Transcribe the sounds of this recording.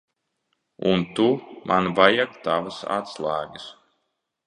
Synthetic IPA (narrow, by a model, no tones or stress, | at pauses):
unt̪umʔanvajakt̪avasa̰t̪slˠaːɡɨs